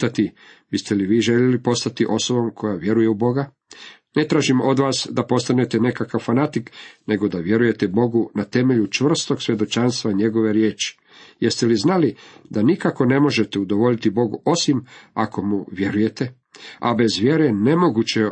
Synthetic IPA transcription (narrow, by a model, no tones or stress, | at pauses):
t̪at̪ibist̪eliʋiːʒe̞ʎelipo̞st̪at̪iʔo̞so̞bomkʰo̞jaʋje̞ɾuje̞ubo̞ɡa | ne̞t̪ɾaːʒimo̞d̪ʋaːsd̪apo̞st̪ane̞t̪ene̞kakaʋfanat̪ikne̞ɡo̞d̪aʋjeɾuje̞t̪ebo̞ɡunat̪e̞me̞ʎut͡ʃʋr̩st̪o̞ɡsʋje̞d̪o̞t͡ʃanst̪ʋaɲe̞ɡo̞ʋe̞ɾjeːt͡ʃi̥ | jeɾst̪eliznalid̪anikako̞ne̞mo̞ʒe̞t̪eud̪o̞ʋo̞ʎit̪ibo̞ɡuo̞simako̞muʋje̞ɾuje̞t̪e̞ | a̰be̞zʋje̞ɾene̞mo̞ɡut͡ɕe